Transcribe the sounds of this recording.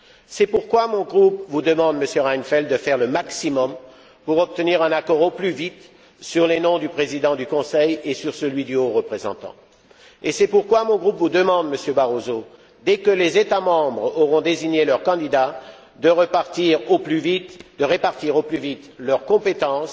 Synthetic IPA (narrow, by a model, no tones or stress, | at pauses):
sɛpuʁkwamɔ̃ɡʁupvud̪əmɑ̃d̪məsjøʁajnfɛld̪d̪əfɛʁləmaksimɔm | puʁɔp̚t̪əniʁɛ̃nakɔʁoplyvit̪ | syʁlenɔ̃d̪ypχezid̪ɑ̃d̪ykɔ̃sɛjesyʁsəlɥid̪yoʁəpχezɑ̰̃t̪ɑ̰̃ | esɛpuʁkwamɔ̃ɡʁupvud̪əmɑ̃d̪məsjøbaʁozo | d̪ɛkəlezet̪amɑ̃bʁɔʁɔ̃d̪eziɲelœʁkɑ̃d̪id̪a | d̪əʁəpaʁt̪iʁoplyvit̪d̪əʁepaʁt̪iʁoplyvit̪lœʁkɔ̃pet̪ɑ̃s